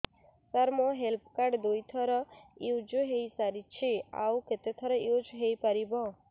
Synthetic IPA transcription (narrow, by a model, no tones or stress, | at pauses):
saɾmoɦelp̚kaɾɖd̪ojt̪ʰɔɾɔjud͡ʒoɦejsaɾit͡ʃʰia̰wket̪et̪ʰɔɾɔjud͡ʒɦejpaɾibɔ̃